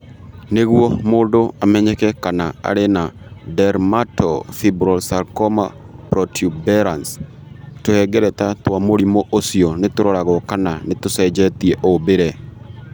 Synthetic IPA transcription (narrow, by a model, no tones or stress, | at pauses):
neɡwomodoamɛɲɛkɛkanaa̰ɾenadɛɾmatɔ̰fibɾɔlsalkɔma̰ | pɾɔtʰjubɛɾans | tohɛɡɛɾɛt̪at̪wamoɾimoʔosionɪt̪ʊɾɔɾaɡɔkananɪt̪ʊsɛd͡ʒɛt̪ieʔobeɾe